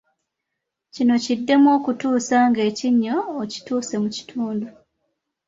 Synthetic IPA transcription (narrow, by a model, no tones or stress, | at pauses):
cino̞cidːe̞mwo̞ːkutuːsaːŋɡe̞ːciɲːo̞ːci̥tuːse̞muci̥tʰuːndu